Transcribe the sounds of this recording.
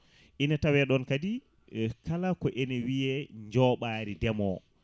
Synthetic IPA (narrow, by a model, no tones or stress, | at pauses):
ʔinatawɛɗɔnkadi | kalakɔʔɛnɛwiɛɲd͡ʒɔːɓaːɾidɛmɔ